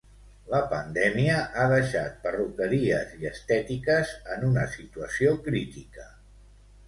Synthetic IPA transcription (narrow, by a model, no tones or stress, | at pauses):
ləpənd̪ɛmiəʔaðəʃa̰t̪̚pərukəɾiəziəst̪ɛt̪ikəzənunəsit̪uəsiokɾit̪ikə